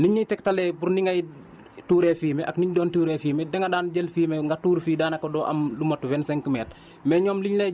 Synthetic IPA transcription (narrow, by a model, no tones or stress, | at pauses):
niɲitɛk̚talɛːbuɾniŋɡaj | tuːɾeːfiːmɛʔakniɲdɔːntuːɾɛfiːmɛdɛŋɡadaːnd͡ʒelfiːmɛŋɡatuːɾfiːdaːnakɔdɔːʔɐ̰mlumɐtuvɛnsɛŋkumɛːt | mɛɲɔːmliɲlɛ